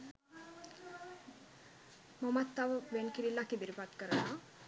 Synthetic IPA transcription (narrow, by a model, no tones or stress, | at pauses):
mɔmat̪ːaʋʋenkiɾilakebiɾpat̪kəɾəna